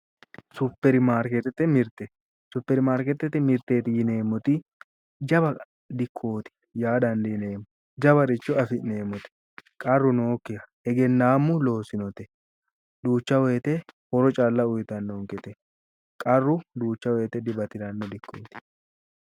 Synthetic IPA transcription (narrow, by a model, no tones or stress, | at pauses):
sʊpːɛɾɪmaːɾkɛt̪ɛt̪ːɛmɪɾt̪ɛ | sʊpːɛɾɪmaːɾkɛt̪ːɛt̪ːɛmɪɾt̪eːt̪ɪjɪne̞ːmːʊt̪ɪ | d͡ʒɐbɐ | d̪ɪkʰːoːt̪ɪ̥ | jaːd̪ɐnd̪neːmːʊ | d͡ʒɐbɐɾɪt͡ʃːɔɐfɪneːmːɔt̪ɪ̥ | kʼɐrːʊnoːkːɪjɐ | ɛɡɛnːaːmːʊlo̞ːsɪnɔt̪ɛ̥ | d̪uːt͡ʃːɐweːt̪ɛhɔɾɔt͡ʃʼaːlːɐʊjt̪ɐnːoːŋkɛt̪ɛ | kʼɐrːʊd̪uːt͡ʃːɐweːt̪ɛd̪ɪbɐt̪ɪɾɐnːɔd̪ɪkːoːt̪ɪ̥